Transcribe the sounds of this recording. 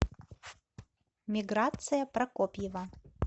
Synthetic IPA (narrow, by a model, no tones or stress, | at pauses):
mʲiɡɾat̪sɨjapɾɐkopʲjɪva